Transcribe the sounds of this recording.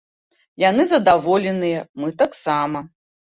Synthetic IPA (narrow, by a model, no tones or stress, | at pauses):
jan̪ɨzɐd̪avɔlʲɛnɨjɐmɨt̪aksamɐ